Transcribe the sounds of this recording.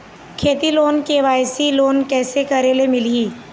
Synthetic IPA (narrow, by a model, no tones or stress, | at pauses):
kʰeːt̪iloːnkeʋaːjsiloːnkɛːsekɐɾelemɪliː